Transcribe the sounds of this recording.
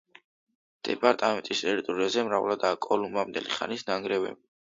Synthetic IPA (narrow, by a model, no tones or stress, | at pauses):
d̪̥ɛpʼaɾt̪ʼamɛnt̪ʼist̪ʼɛɾit̪ʼuɾiazɛmɾavlad̪aːkʼɔlumamnd̪ɛ̰liχa̰nisnaŋɡɾɛvɛ̰b